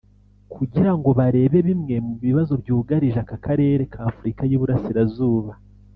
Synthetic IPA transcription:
kʰuɟiɾaŋɡo̞βaɾe̞ːβe̞βimŋe̞muβiβazo̞bjuːɡaɾiʒakakaɾe̞ːɾe̞kʰaːfuɾikajuβuɾasiɾazuːβa

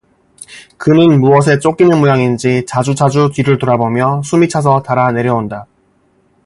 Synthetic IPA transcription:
kɯnɯnmuʌs̬ʰe̞t͡ɕ͈ok͈inɯnmojaŋind͡ʑit͡ɕad͡ʑud͡ʑad͡ʑukiɾɯɭtoɾabomjʌsʰumit͡ɕʰas̬ʰʌtaɾane̞ɾjʌonda

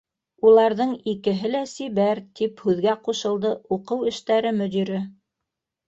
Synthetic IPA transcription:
ulˠɑɾðɤɴikɘ̆ɦɘlæsiβæɾt̪ʰiphʉðɡæquʃɤ̆lˠd̪ɤuqɤwɘ̆ʃt̪æɾɘmɵ̆d̪iɾɘ

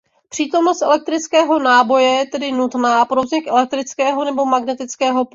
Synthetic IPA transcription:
pr̝̥iːt̪o̞mnost̪ʔɛlɛk̚t̪ɾɪt͡skɛːɦo̞naːbo̞jɛjɛt̪ɛdɪnut̪naːpɾozɲɛxʔɛlɛk̚t̪ɾɪt͡skɛːɦo̞nɛbo̞maɡnɛt̪ɪt͡skɛːɦo̞p

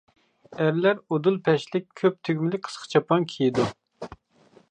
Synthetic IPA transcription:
æɾlæɾod̪ulˠpʰɛʃlɪk̚ʲʰøp̚t̪ʰyɡʲmɪlɪk̚ʲqʰə̥sqʰə̥t͡ʃʰɑpɑŋkʲʰijid̪u

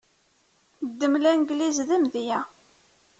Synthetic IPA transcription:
d̪ːəmlænɡlizðəmðjæ

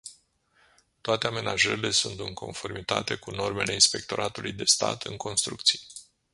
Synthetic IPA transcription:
t̪oat̪e̞ame̞naʒəɾile̞sunt̪ɨŋkʰo̞nfo̞rmit̪a̰t̪e̞kuno̞rme̞le̞inspe̞k̚t̪o̞ɾʔat̪ulʔujd̪e̞st̪a̰t̪ʰɨŋkʰo̞nst̪ɾuk̚t̪sije

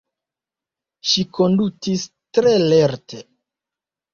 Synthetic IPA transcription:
ʃiko̞ndutis | tɾe̞leɾtʰe

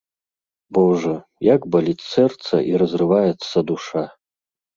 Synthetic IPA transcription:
bɔʐɐ | jaɡbɐlʲit̪sɛrt̪sɐ̰ʔiɾɐzrɨvajɛt̪sːɐd̪uʂa

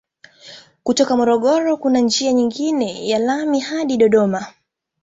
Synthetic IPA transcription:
kutɔkamɔɾɔɠɔɾɔkunand͡ʒiaɲiŋɡinɛjalamihaɗiɗɔɗɔma

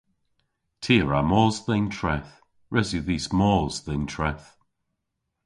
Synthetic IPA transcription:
tʰiːɹamɔːzðɪŋtʰɹɛθ | ɹʔɛzjəðiːsmɔːzðɪŋtʰɹɛθ

